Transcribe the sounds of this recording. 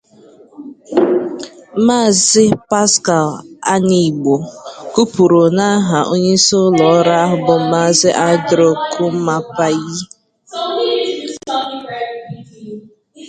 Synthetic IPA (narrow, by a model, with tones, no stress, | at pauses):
m̩˦maː˦˨zɪ˦pa˦ska˨la̰˦ni˨ɡ͡bo˨ku˦pu˨ɾo˨na˦a˦ɦa˨ʔo˦ɲe˦so˦lɔ˨˦ɾa˦a˦ɦʊ˨bʊ˦m̩˦ma˦˨zɪ˦ʔa˦dɾo˦kʰu˦m̩˦ma˦pa˦ji˦